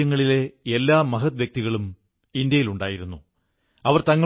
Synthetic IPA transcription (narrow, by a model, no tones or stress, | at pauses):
ɐŋːɐɭile̞elːaːmɐɦɐt̪ʋjɐk̚t̪iɣɐɭum | ind̪jɐjiluɳɖaːjiɾunːu | ɐʋɐrt̪ɐŋːɐ